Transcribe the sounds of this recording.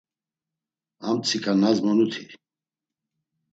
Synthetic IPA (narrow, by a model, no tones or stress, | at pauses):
amt͡sʰikʰʼanazmɔnut̪ʰi